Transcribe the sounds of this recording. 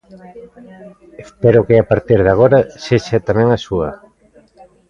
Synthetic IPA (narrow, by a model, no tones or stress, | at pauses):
espeɾʊkɪapaɾt̪iɾðaɣ̞oɾaseʃat̪amɛ̃ŋasuɐ